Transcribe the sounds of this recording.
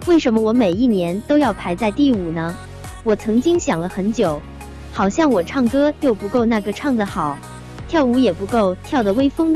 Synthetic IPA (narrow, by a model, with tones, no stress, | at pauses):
we˥˩ɪʂə˧˥nmə˧wɔ˧˥me˨˩ɪi˥˩njɛ˧˥nt̪o˥ʊjɑ˥˩ʊpʰa˧˥ɪt͡sa˥˧ɪt̪i˥˩u˨˩nə˦ | wɔ˨˩t͡sʰɤ˧˥ŋt͡ɕi˥ŋɕjɑ˨˩ŋlə˦xə˧˥nt͡ɕjo˨˩˦ʊ | xɑ˨˩ʊɕjɑ˥˩ŋwɔ˨˩ʈ͡ʂʰɑ˥˩ŋkɤ˥t͡ɕjo˥˩ʊpu˧˥ko˥˧ʊna˥˩ɡə˨˩ʈ͡ʂʰɑ˥˩ŋd͡zə˩xɑ˨˩˦ʊ | t̪ʰjɑ˥˩ʊu˧˥jɛ˨˩pu˧˥ko˥˩ʊt̪ʰjɑ˥˩ʊd̪ə˩we˥ɪfɤ˥ŋd̪